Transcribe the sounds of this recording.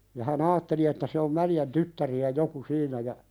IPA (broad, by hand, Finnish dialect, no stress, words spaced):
jɑ hæn ɑːtːeli etːæ se om mæljæn tytːæriæ joku siːnˑæ jɑ